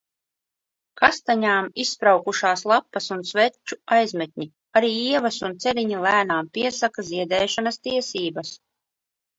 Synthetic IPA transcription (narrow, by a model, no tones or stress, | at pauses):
kast̪aɲaːmisːpɾawkuʃaːslˠapːɐsunsvɛt͡ʃːuajzmɛt̪̚ʲɲi | aɾiːiɛvɐsunt̪sɛɾiɲilˠæːnaːmpiɛsakaziɛd̪ɛːʃanast̪iɛsiːbɐs